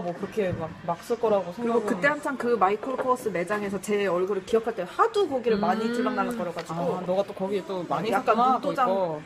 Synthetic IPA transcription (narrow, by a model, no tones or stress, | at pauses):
mwʌkɯɾʌkʰe̞mak̚mak̚s͈ɯɭk͈ʌɾaɡosʰeŋɯɾiɡokɯt͈e̞hamt͡ɕʰaŋkɯmaikʰɯɭkʰos͈ɯne̞d͡ʑaŋe̞sʰʌt͡ɕe̞ʌɭɡɯɾɯɭkiʌpʰaɭt͈ehadukʌɡiɾɯɭmaɲit͡ɕʰuɭmaŋnanɯnk͈ʌɾʌkʰad͡ʑɡonʌɡat͈okʌɡiet͈omaɲijak͈ant͈od͡ʑao